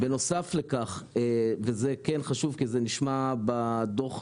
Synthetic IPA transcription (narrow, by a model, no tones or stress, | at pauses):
beno̞saflekaχevezekenχaʃuvkizeniʃmabad̪oχ